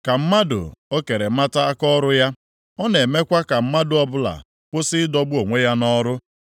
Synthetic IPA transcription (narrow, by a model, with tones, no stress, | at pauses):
ka˨m̩˦ma˦dʊ̰˨o˦ke˨ɾe˨˦ma˦ta˦a˦kɔ˦ɾʊ˦ja˦ | ɔ˦ne˨me˦kʷa˦ka˨m̩˦ma˦dʊ˨ɔ˦bʊ˦la̰˨ | kʷʊ˦sɪ˦dɔ˦ɡ͡bu˦o˨ŋʷe˦ja˦nɔ˦ɾʊ˦